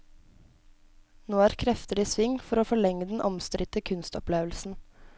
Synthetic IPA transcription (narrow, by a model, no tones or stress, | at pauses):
noːæːɾkʰɾɛft̪əlisʋɪŋfɔɾoːfɔɭɛŋːəd̪ɛn̩ʔɔmst̪ɾʔɪt̪əkʰʉnst̪ɔpleːʋlsn̩